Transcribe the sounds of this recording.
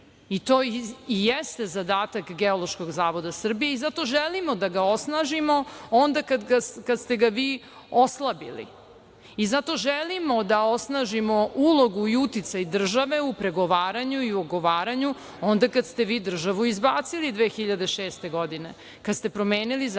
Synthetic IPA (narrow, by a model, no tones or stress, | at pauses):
it̪oːijest̪ezad̪aːt̪akɡeolˠoʃko̞ɡzaːʋo̞d̪asr̩bijeizat̪o̞ʒelimod̪aɡao̞snaʒimo̞ond̪akad̪ɡakad̪st̪e̞ɡaʋiː | oslˠabḭlḭ | izat̪o̞ʒelimod̪ao̞snaːʒimo̞ulˠo̞ɡuiut̪it̪sajd̪r̩ʒaʋe̞upɾe̞ɡo̞ʋaːɾaɲuioɡo̞ʋaːɾaɲu | o̞nd̪akad̪st̪e̞ʋiːd̪r̩ʒaʋuizbaːt̪silid̪ʋeːxiʎad̪eʃeːst̪e̞ɡod̪ine̞ | kad̪st̪e̞pɾo̞meːniliz